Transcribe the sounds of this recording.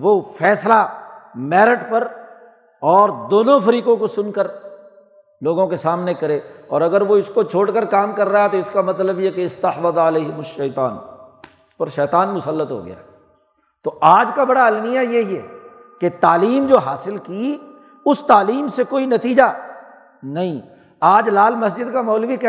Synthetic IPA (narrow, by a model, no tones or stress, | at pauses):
ʋofɛːslamɛːɾɪʈpɐɾ | ɔːɾd̪oːnõfɐɾiːkõkosʊnkəɾ | loːɡõkesaːmnekɐɾeːɔːɾɐɡəɾʋoɪskot͡ʃʰoːɽkəɾkaːmkɐɾːaɛt̪oɪskamɐt̪ləbjekeɪst̪ɐħfɐd̪ɪleːɦɪmʊʃɐːt̪aːn | ɪspɐɾʃɛːt̪aːnmʊsəlːət̪ɦo̰ɡɐ̰ja̰ː | t̪oʔaːd͡ʒkabɐɽaɐlmijajeɛː | ket̪aːliːmd͡ʒoːɦaːsɪlki | ʊst̪aːliːmsekoːinɐt̪iːd͡ʒa | nɐɦĩ | aːd͡ʒlaːlmɐsd͡ʒɪd̪kamɔːlbikɛ